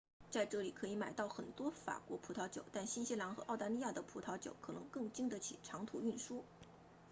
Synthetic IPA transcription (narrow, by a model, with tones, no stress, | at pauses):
t͡sa˥˧ɪʈ͡ʂɤ˥˩li˨˩kʰɤ˧˥i˧˥ma˨˩ɪt̪ɑ˥˩ʊxə˨˩nt̪wɔ˥fa̰˨˩kwɔ̰˧˥pʰu˧˥t̪ʰɑ˧˥ʊt͡ɕjo̰˨˩ʊt̪a˥˩nɕi˥nɕi˥la˧˥nxɤ˧˥ʔɑ˥˩ʊt̪a˧˥li˥˧ja˥˩d̪ə˩pʰu˧˥t̪ʰɑ˧˥t͡ɕjo̰˨˩˥ʊkʰɤ˨˩nɤ˧˥ŋkɤ˥˩ŋt͡ɕi˥ŋd̪ə˧t͡ɕʰḭ˨˩ʈ͡ʂʰɑ˧˥ŋt̪ʰu˨˩y˥˩nʂu˥